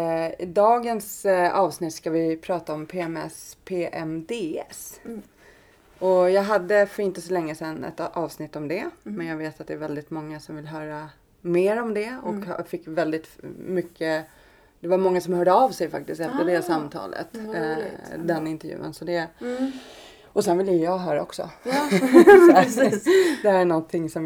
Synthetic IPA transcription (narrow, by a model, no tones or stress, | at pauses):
ɪd̪ɑːɡənsɑːvsnɪt̪ːskavɪpʰɾɑːt̪aɔmpʰeːɛmɛ̰spʰeːʔɛmd̪eːɛs | ɔjɑːɡɦad̪ːəfœɾɪnt̪əsɔlɛŋːəsɛnːɛ̰t̪ɑːvsnɪt̪ːɔmd̪ɛmɛnjɑːɡveːt̪at̪̚d̪ɛːɾvɛld̪ɪt̪mɔŋːasɔmvɪlɦœːɾa | meːɾɔmd̪ɛɔkfɪkːvɛld̪ɪt̪mʏkːə | d̪̥ɛvaɾmɔŋːasɔmhœːɖəɑːvsɛjfa̰k̚t̪ɪst̪ɛt̪ːad̪ɛːsamːt̪ʰɑ̰ːlə̰t̪ | d̪ɛnːɪnt̪ɛɾjʉ̰ːə̰nsɔd̪ɛ | ɔsɛnvɪljəjjɑːɡɦœːɾa̰ɔksɔ̰ | d̪ɛæɳɔnt̪ʰɪŋːsɔm